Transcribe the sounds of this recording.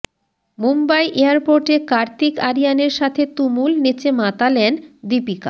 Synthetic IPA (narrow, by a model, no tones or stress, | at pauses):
mumbajʔeaɾpoɾʈekaɾt̪ikaɾijaneɾʃat̪ʰet̪umulnit͡ɕemat̪alɛnd̪ipika̰